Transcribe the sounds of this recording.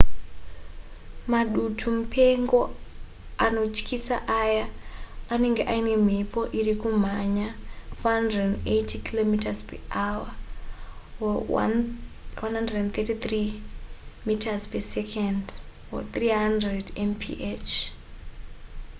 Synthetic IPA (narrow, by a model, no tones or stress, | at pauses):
maɗutʰumupʰe̞ŋɡo̞ | ano̞t͡ʃkʰisa̰ʔajaane̞ŋɡeʔaine̞m̤ipʰo̞ʔirikum̤aɲafoɦandredndejtikilomitazpeawa | wanɦandredent̪etit̪ri | mitʰazpesekʰandwo̰t̪riɦandredenpʰḭʔet͡ʃ